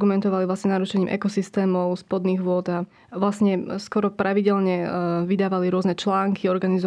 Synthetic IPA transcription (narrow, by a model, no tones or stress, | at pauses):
ɡumɛnt̪ɔʋaliʋlasɲɛnaɾuʃɛɲiːmʔɛ̰kɔsist̪ɛːmɔʊspɔd̪niːɣʋʊɔd̪a | ʋlasɲɛskɔɾɔpɾaʋiɟɛlɲɛʋid̪aːʋaliɾʊɔznɛt͡ʃlaːŋkʰiɔɾɡanizɔ